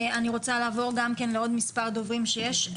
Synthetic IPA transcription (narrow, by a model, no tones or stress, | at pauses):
aniʁo̞t͡salaːvo̞ʁɡamkenleo̞d̪mispaʁd̪o̞vʁimʃejeʃ